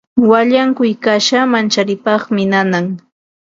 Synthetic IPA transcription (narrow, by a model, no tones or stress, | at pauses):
waʎaŋkʊjkaʃamant͡ʃaɾɪpɑχmɪnanaŋ